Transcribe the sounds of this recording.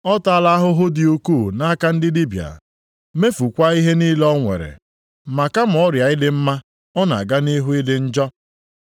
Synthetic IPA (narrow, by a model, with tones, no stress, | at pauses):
ɔ˦ta˦˨la˦a˦ɦʊ˦ɦʊ˦dɪ˨u˦kuː˦˨na˦ka˦n̩˦dɪ˦di˦bja̰˨ | me˦fu˨kʷa˦i˦ɦe˦ni˦lɔ˦ŋʷḛ˨ɾḛ˨ | ma˨ka˦m̩˨ɔ˦ɾja˨ɪ˦dɪ˦m̩˦ma˦ | ɔ˦na̰˨ɡa˦ni˦ɦu˦ɪ˦dɪ˦n̩˦d͡ʒɔ˦